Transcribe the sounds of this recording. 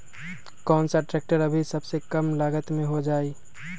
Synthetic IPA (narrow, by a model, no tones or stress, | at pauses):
kɔːnsaʈɾɛːk̚ʈəɾəbʱisəbsekəmlaːɡət̪mẽɦod͡ʒaːi